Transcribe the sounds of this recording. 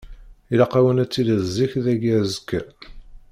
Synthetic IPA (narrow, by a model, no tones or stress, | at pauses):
ilɑqawənæt͡sːiləðziçðæɡæzəkːæ